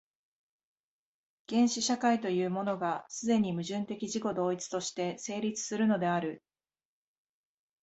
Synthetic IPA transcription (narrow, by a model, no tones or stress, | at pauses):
ɡ̥ẽ̞ɰ̃ɕiɕakait̪o̞jɯ̟ːmo̞no̞ɡasɨd̪e̞ɲ̟imɯ̟ʑɨ̃nt̪e̞kʲiʑiko̞d̪o̞ːit͡sɨ̥t̪o̞ɕi̥t̪e̞se̞ːɾʲit͡sɨ̥sɨɾɯ̟no̞d̪e̞aɾɯ̟